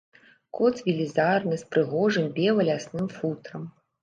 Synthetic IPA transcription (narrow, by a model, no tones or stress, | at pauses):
kɔt̪svʲilʲizarnɨspɾɨɣɔʐɨmbʲɛlˠɐlʲasnɨmfut̪ɾɐm